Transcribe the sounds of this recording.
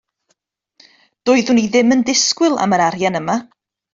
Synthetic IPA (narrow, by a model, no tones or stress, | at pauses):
d̥ʊːɨðuniðɪməndɪskwɨlˠa̰məɾaɾjanəma